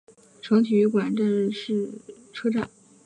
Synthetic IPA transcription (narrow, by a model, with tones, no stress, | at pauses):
ʈ͡ʂʰɤ˧˥ŋt̪ʰy˨˩˧kwa˨˩nʈ͡ʂə˥˧nʂɻ̩˥˩ | ʈ͡ʂʰɤ˥ʈ͡ʂa˥˩n